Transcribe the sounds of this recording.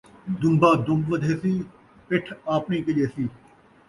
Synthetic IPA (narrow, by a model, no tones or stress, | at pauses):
d̪ʊmbaːd̪ʊ̃mbʋəd̪ʱeːsiː | pɪʈʰaːpnĩːkəd͡ʒeːsiː